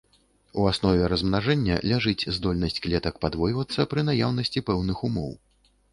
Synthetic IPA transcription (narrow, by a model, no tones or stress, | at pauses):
uasnɔvʲɛɾɐzmnaʐɛnʲːɐ̰lʲaʐɨt͡sʲzd̪ɔlʲnɐsʲt͡sʲklʲɛt̪ɐkpad̪vɔjvɐt̪sːɐpɾɨnajawnɐsʲt͡sʲipɛwnɨxumɔ̰w